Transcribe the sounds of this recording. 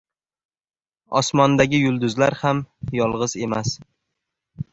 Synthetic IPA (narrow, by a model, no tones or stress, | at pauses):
ɒ̰smɒnd̪aɡʲɪjʊlˠd̪ʊzlaɾhamjɒlˠʁɨz̥e̞mas